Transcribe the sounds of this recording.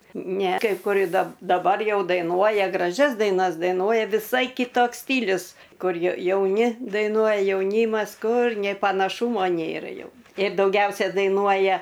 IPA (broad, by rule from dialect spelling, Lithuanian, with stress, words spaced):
nʲɛ kɐɪ ˈkʊr ɪr dɐ dɐˈbɐr ˈjɛʊ dɐɪˈnuɔjɛ ɡrɐˈʒʲɛs dɐɪˈnɐs dɐɪˈnuɔjɛ ʋʲɪˈsɐɪ kʲɪˈtoːks ˈsʲtʲiːlʲʊs ˈkʊr jɛ jɛʊˈnʲɪ dɐɪˈnuɔjɛ jɛʊˈnʲiːmɐs ˈkʊr nʲeː pɐnɐˈʃuːmoː ˈnʲeːrɐ ˈjɛʊ ɪr dɐʊˈɡʲɛʊsʲɛ dɐɪˈnuɔjɛ